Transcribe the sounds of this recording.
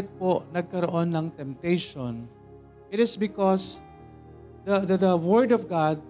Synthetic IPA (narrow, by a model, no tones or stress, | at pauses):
t̪̚ponɐɡ̚kɐɾoʔonːɐŋt̪ɛmt̪ejʃon | ʔɪt̪ɪsbɪkɔs | d̪ɐd̪ɐd̪ɐwɛɹd̪ɔvɡad̪̚